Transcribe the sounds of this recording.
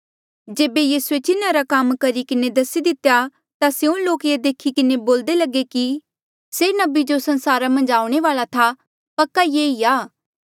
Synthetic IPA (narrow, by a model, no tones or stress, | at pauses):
d͡ʒeːbejiːsuet͡ʃɪnaɾakɐmkɐɾikɪned̪ɐsid̪ɪt̪ːeja | t̪aseõloːkjed̪eːkʰikɪneboːld̪elɐɡeki | seːnɐbid͡ʒosɐnsaːɾamɐ̃nd͡ʒaːʊɽ̃eʋaːlat̪ʰa | pɐkːajeːiaː